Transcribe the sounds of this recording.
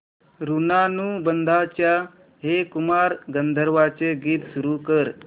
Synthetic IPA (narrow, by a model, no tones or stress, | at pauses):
ɾunanuːbənd̪ʱat͡ɕja | ɦekumaɾɡənd̪ʱəɾʋat͡seɡiːt̪suɾukəɾ